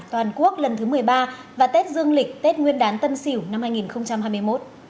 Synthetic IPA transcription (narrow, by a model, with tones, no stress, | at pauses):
t̪waː˨˩nku˦˥ək̚lə˨˩nt̪ʰɨ˨˦mɨ˨˩əjɓaː˧ | vaː˨˩t̪e˦˥t̚zɨ˧əŋlï˨˩k̟̚t̪e˦˥t̚ŋwi˧ənɗaː˨˦nt̪ə˧msi˧˩wna˧mhaː˧jŋi˨˩nxə˧wŋ͡mt͡ɕa˧mhaː˧jmɨ˧əjmo˦˥t̚